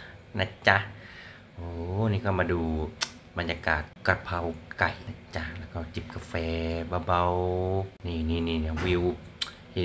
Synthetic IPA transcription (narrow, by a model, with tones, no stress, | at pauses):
na˧˥˩t͡ɕa˧ | ʔoː˧˦niː˧˩kɔː˧˩maː˧duː˧ | ba˧njaː˧kaː˨˩t̪̚ka˧pʰa˧wka˨˩jna˧˥t͡ɕa˧lɛː˧˩wkɔː˧˩t͡ɕi˨˩p̚ka˧fɛː˧baː˧ba˧wniː˧˩niː˧˩niː˧˩˨n˧˨wi˧w̚ʰ | iː˧